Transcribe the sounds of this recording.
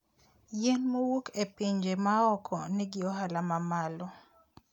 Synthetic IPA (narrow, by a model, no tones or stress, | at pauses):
jenmowukepɪɲd͡ʒemaɔkʰɔnɛɡɪɔɦalamamalɔ